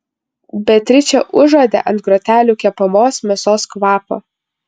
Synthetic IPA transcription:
bʲɛt̪ʲɾʲɪt͡ʃʲɛʔʊʒoːd̪ʲḛʔɐ̃nt̪̚ɡɾɔːt̪ʲæːlʲuːkʲɛpɐmoːsmʲɛsoːskʋɑːpo̰ː

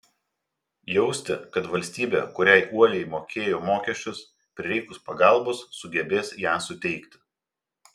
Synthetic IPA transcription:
jɛʊsʲt̪ʲɪ̰kɐt̪ʋɐlʲsʲt̪ʲiːbʲḛːkʊɾʲɛɪʔuɔlʲɛɪmoːkʲeːjoːmoːkʲɛʃʲt͡ʃʲʊs | pʲɾʲɪɾʲɛɪkʊspɐɡɐˑlˠbʊsːʊɡʲɛbʲeːsjæːsʊt̪ʲɛɪkʲt̪ʲɪ̥

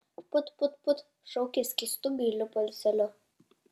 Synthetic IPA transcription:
pʊt̪pʊt̪pʊt̪ | ʃɔʊkʲɪsʲkʲist̪ʊbʲiːlʲʊpɔlʲsʲɛlʲʊ

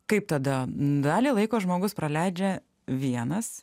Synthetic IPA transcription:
kɐɪp̚t̪ɐd̪ɐd̪ɑːlʲiːlˠɐɪkoːʒmoːɡʊspɾɐlʲɛɪd͡ʒʲɛ | ʋʲiɛnɐs

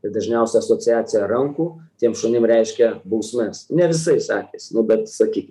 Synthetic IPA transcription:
t̪ɐɪd̪ɐʒʲnʲɛʊsʲɛɐsoːt͡sʲɪjæːt͡ssʲɪjɛɾɐŋkuːt̪ʲiɛmʃoːnʲɪmɾʲɛɪʃʲkʲɛbɐʊsʲmʲɛsnʲɛʋʲɪsɐɪsɑːkʲesnʊbʲɛt̪sɐkʲiːkʲɪ

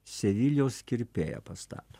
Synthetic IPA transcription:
sʲɛʋʲiːlʲjoːskʲɪɾʲpʲeːjo̰pɐst̪ɑ̰ːt̪o̥

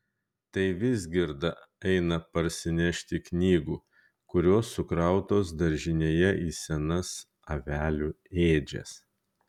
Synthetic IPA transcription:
t̪ɐɪʋʲɪzʲɡʲɪɾd̪ɐ | ɛɪnɐpɐɾʲsʲɪnʲɛʃʲt̪ʲɪknʲiːɡuː | kʊɾʲoːsːʊkɾɐˑʊt̪oːs̬d̪ɐɾʲʒʲɪnʲeːjɛʔiːsʲɛnɐs | ɐʋʲæːlʲuː | eːd͡ʒʲɛ̰s

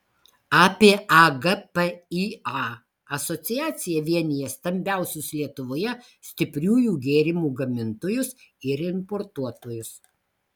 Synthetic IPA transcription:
ɑːpʲeːʔɐɡɐpɛiɑ | ɐsɔt̪sʲɪjæːt̪sʲɪjɛʋʲiɛnʲɪjɛst̪ɐmʲbʲæˑʊsʲʊslʲiɛt̪ʊʋoːjɛ | sʲt̪ʲɪpʲɾʲuːjuːɡʲeːɾʲɪmuːɡɐmʲɪnt̪oːjʊsɪɾɪmpɔːɾt̪uɔt̪oːjʊs

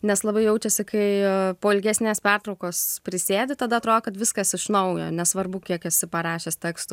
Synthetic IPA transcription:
nʲɛslˠɐbɐɪjɛʊt͡ʃʲɛsʲɪkɐɪpoːɪlʲɡʲæsʲnʲeːspʲært̪ɾɒʊkoːspʲɾʲɪsʲeːd̪ʲɪt̪ɐd̪ɐt̪ɾoːd̪okɐt̪ʋʲɪskɐsɪʃnɐʊjo̰ːnʲɛsʋɐrbʊkʲiɛkɐsʲɪpɐɾɑːʃʲeːst̪ʲæːkst̪ʊ

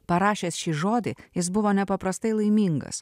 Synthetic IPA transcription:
pɐɾɑːʃʲeːsʃʲiːʒoːd̪ʲɪ̰jɪsbʊʋoːnʲɛpɐpɾɐst̪ɐɪlˠɐɪmʲiːŋɡɐ̰s

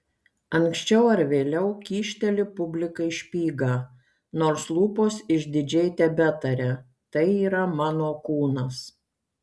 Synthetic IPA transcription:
ɐŋksʲt͡ʃʲɛʊɐɾʋʲeːlʲɛʊkʲiːʃʲt̪ʲɛlʲɪpʊbʲlʲɪkɐɪʃʲpʲiːɡɐ | noːɾslˠuːpoːsɪʒʲd̪ʲɪd͡ʒʲɛɪt̪ʲɛbʲɛt̪ɐɾʲɛ | t̪ɐɪiːɾɐmɑːnoːkuːnɐs

